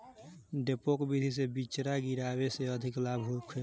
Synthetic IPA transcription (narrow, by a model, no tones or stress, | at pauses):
ɖepokbid̪ʱis̬ebit͡ʃɾaɡiɾabeseəd̪ʱɪklabʱɦukʰe